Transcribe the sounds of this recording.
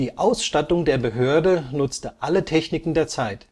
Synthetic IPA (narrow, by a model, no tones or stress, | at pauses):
d̥iːʔaʊsʃtatʊŋdeːɐbəɦøːɐdənʊt͡stəʔalətʰɛçnɪkn̩deːɐt͡saɪt